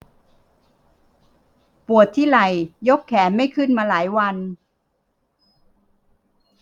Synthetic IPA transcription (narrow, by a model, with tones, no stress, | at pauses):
pu˨˩ət̪ʰːiː˥˩la˧˩jjo˦˥kʰːɛː˩˦nma˥˩jkʰɯ˥˩nmaː˧laː˩˦jwa˧n